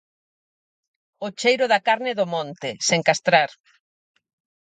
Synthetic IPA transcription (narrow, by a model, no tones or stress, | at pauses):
ot͡ʃejɾʊðakaɾnɪðʊmɔ̃nt̪ɪseŋkast̪ɾaɾ